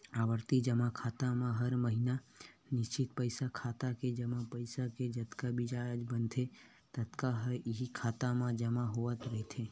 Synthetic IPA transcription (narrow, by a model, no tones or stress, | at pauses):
aʋəɾt̪id͡ʒəmãkʰat̪amãɦəɾməɦina | nɪʃt͡ʃit̪̚pəjsakʰat̪aked͡ʒəmãpəjsaked͡ʒət̪kabid͡ʒajəd͡ʒbənt̪ʰe | t̪ət̪kaɦəiɦikʰat̪amãd͡ʒəmãɦoʋət̪ɾəɦet̪ʰe